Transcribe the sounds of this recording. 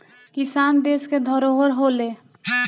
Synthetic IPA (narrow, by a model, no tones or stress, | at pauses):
kisand̪esked̪ʱɔɾoɦəɾɦole